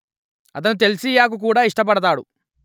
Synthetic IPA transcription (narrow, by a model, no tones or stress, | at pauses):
ɐt̪̬ɐnut̪̬e̞lisiːjaːk̬uk̬uːɽaːiʂʈɐp̬ɐɽɐt̪̬aːɽu